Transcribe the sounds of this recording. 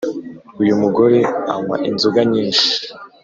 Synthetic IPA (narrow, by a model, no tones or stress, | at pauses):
ujumuɡo̞ɾe̞a̰mwa̰ʔinzuɡaɲiːnʃi̥